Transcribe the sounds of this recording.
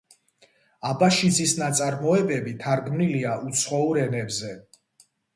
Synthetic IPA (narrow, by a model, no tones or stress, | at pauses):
abaʃizisnat̪sʼaɾmɔɛbɛbit̪ʰaɾɡmniliaʔut̪sʰχɔuɾɛnɛbzɛ